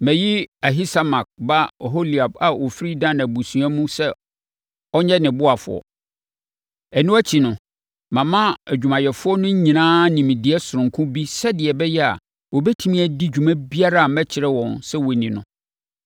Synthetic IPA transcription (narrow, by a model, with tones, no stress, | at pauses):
mæ̃˨ji˦a˨ɦi˦sa˦ma˨k̚ba˦˨ɦo˦li˨a˨ba˨wɔ˨fɾi˦dã˦nã˨bu˨sũ˨a˦mũ˦sɛ˦ | ɔ˦ɲɛ̃˦nɪ̃˨bʊ˦a˨fʊ̰˨ɔ̰˨ | ɛ˨nũ˦æ˦t͡ɕʰi˨nʊ̃˨ | mã˨mã˦æ˨d͡ʑᶣu˨mã˨jɛ˨fʊ˦ɔ˦nʊ̃˦ɲ̩˦ɲĩ˨nãː˦nĩ˨m̃˨dɪ˨ɛ˦sʊ˨ɾʊ̃˨ŋkʰʊ̃˦bi˦sɛ˦dɪ˨ɛ˨bɛ˦jɛ˦a̰˨ | wɔ˨bɛ˦tʰi˦mĩ˦æ˨di˦d͡ʑᶣu˨mã˦bi˦a˦ɾa˦a˨mɛ̃˦t͡ɕʰɪ˨ɾɛ˦wɔ̃˨nsɛ˦wɔ˨nĩ˨nʊ̰̃˦